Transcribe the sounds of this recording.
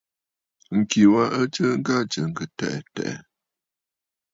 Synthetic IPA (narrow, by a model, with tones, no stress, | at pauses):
ŋ̩˨ki˨wa˦ə˦t͡ʃə˦ŋ̩˦ɡa˦˨t͡ʃə˨ŋ̩˨ɡə˨tɛ˨ʔɛ˨tɛ̰˨ʔɛ̰˨